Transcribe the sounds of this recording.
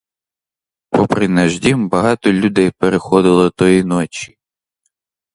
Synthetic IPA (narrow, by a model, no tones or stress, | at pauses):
pɔpɾɪnɐʒdʲimbɐɦɑt̪ɔlʲud̪ɛjpeɾexɔd̪ɪlˠɔt̪ɔjinɔt͡ʃʲi̥